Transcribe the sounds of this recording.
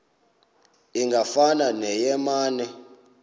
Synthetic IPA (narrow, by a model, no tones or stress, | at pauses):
iŋɡafananɛjɛmaːnɛ